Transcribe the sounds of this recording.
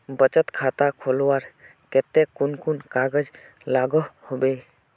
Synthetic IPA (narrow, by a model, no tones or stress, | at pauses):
bət͡ʃət̪kʰat̪akʰoːlwaːɾ | ket̪ekʊnkunkaɡəd͡ʒ | laːɡəhobe